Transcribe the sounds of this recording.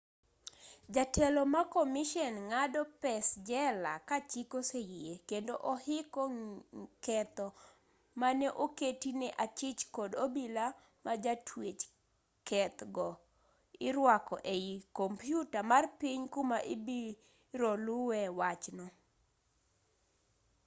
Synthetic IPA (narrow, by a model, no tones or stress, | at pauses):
d͡ʒatʰɛlɔmakomiʃɔnŋadɔpɛsd͡ʒɛlakat͡ʃikosejiekendoʔɔhɪkɔkɛt̪ɔ | manɛʔoketinɛʔat͡ʃɪt͡ʃkɔdobila | mad͡ʒatʰwet͡ʃ | kɛt̪ɡɔ | ɪɾwakɔ̰ʔeikɔmpjutamarpiɲkumaʔibi | ɾolʊwɛwat͡ʃnɔ